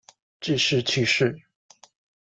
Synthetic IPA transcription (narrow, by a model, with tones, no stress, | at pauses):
ʈ͡ʂ̩˥˧ʂɻ̩˥˧t͡ɕʰy˥˧ʂɻ̩˥˩